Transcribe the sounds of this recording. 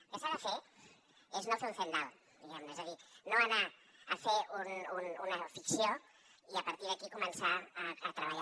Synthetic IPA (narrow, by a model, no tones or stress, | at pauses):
kesaðafe | eznofunθona̰l | d̪iɣamnoezəðinoanaəfeunununəfiksjo | iəpaɾt̪iɾðəkikumənsaːt̪ɾəβaʎa